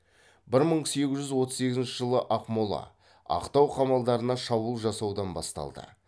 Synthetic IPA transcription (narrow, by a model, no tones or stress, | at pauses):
bɪɾməɴse̞ɡʲɪzʒʏzwo̞t̪əzse̞ɡʲɪzɪnʃɪʒəlˠəʔɑqmolˠɑ̰ | ɑ̰qt̪ɑwqʰɑmɑlˠd̪ɑɾənɑʃɑbuəlˠʒɑsɑwd̪ɑnbɑ̰st̪ɑ̰lˠd̪ə̰